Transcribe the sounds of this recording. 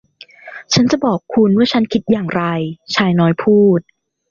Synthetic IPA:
t͡ɕʰa˦˥nt͡ɕa˨˩bɔː˨˩kʰːu˧nwɯ˥˩t͡ɕʰa˦˥nkʰi˦˥t̪̚jaː˨˩ŋɾa˧jt͡ɕʰaː˧jnɔː˧˦jpʰuː˥˩t̪̚

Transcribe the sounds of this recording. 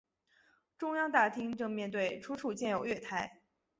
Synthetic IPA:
ʈ͡ʂʊ˥ŋjɑ˥ŋt̪a˥˩t̪ʰi˥ŋʈ͡ʂɤ˥˧ŋmjɛ˥˧nt̪we˥˩ɪʈ͡ʂʰu˥ʈ͡ʂʰu˥˩t͡ɕjɛ˥˩njo˨˩ʊɥɛ˥˩t̪ʰa˧˥ɪ

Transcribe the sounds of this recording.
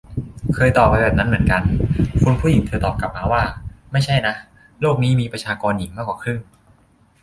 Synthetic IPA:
kʰɤː˧jt̪ɔː˨˩p̚ːa˧jbɛː˨˩p̚na˦˥nmɯ˩˦ənka˧nkʰu˧npʰu˥˩ji˩˦ŋt̪ʰɤː˧t̪ɔː˨˩p̚ka˨˩p̚maː˧waː˥˩ma˥˩jt͡ɕʰa˥˩jna˦˥ʔ | loː˥˩k̚niː˦˥miː˧pɾa˧t͡ɕʰaː˧kɔː˧nji˩˦ŋmaː˥˩kwaː˨˩kʰɾɯ˥˩ŋ

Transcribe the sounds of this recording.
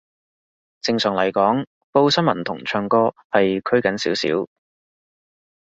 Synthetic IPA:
t͡sɪ˧ŋsœː˨˩ŋlɐ˨˩jkɔː˨˥ŋ | po˥wsɐ˥nmɐ˨˩nt̪ʰʊ̰˨˩ŋt͡ʃʰœː˧ŋkɔː˥hɐ˨jkʰɵ˥ɥkɐ˨˥nsiː˨˥wsḭː˨˥w

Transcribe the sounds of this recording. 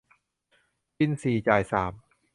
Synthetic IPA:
pi˧˥˩nsiː˨˩t͡ɕaː˨˩jsaː˩˦m

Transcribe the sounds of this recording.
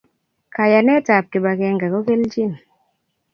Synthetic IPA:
ka˨ja˨nɛ˦ta˨p̚ke˨ɓa˨kɛ˨ŋɡa˨ko˦ke˦lt͡ʃi˦˨n

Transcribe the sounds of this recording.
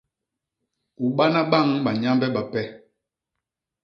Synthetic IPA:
u˨ɓa˦na˦ɓa˦˨ŋɓa˨ɲa˦mbɛ˦ɓa˨pɛ˦

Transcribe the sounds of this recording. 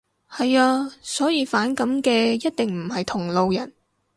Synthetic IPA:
hɐ˨jaː˧sɔː˨˥jiː˧faː˨˥nkɐ˨˥mkɛː˧jɐ˥t̚t̪ɪ˨ŋm̩˨˩hɐ˨jt̪ʰʊ˨˩ŋlo˨wjɐ˨˩n

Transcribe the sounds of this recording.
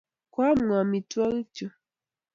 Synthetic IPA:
kwa˦m˨a˨mi˨twa˦ɣi˦t͡ʃo˦

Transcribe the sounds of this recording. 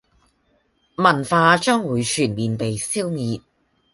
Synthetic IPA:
mɐ˨˩nfaː˧t͡ʃœː˥ŋwuː˨˧jt͡ʃʰyː˨˩nmiː˨npe˨jsiː˥wmiː˧t̚

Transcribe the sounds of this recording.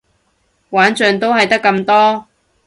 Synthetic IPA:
waː˨˥nt͡ʃœː˨ŋt̪o˥whɐ˨jt̪ɐ˥kːɐ˧mt̪ɔː˥

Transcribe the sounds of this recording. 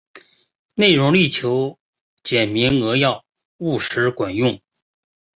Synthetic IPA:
ne˥˩ɪɻʊ˧˥ŋli˥˩t͡ɕʰjo˧˥ʊ | t͡ɕjɛ˨˩nmi˧˥ŋɤ˧˥jɑ˥˩ʊ | u˥˩ʂɻ̩˧˥kwa˨˩njʊ˥˩ŋ

